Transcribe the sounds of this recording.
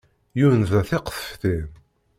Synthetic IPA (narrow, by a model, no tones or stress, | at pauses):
junðæθɪqθə̥fθim